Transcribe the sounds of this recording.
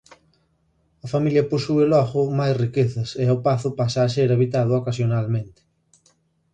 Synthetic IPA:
ɐfamiljɐposuelɔɣʊmajsrikeθɐseopaθʊpasaːseɾaβit̪að̞ʊokas̬jonalmẽnt̪ɪ̥

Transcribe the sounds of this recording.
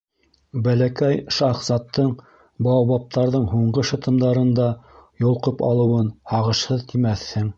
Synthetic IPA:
bælækæjʃɑχsɑt̪ʰːɤɴ | bɑwβɑp̚t̪ɑɾðɤɴɦuɴɢɤʃɤ̆t̪ɤ̆md̪ɑɾɤ̆nd̪ɑjŏlˠqɤpɑ̰lˠɤ̆wɤnhɑʁɤ̆ʃhɤðt̪imæθːɘŋ

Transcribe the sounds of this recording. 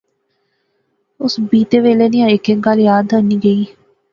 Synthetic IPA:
osbiːt̪eʋeleniaekeŋɡaljaːd̪ɐnːiɡeiː

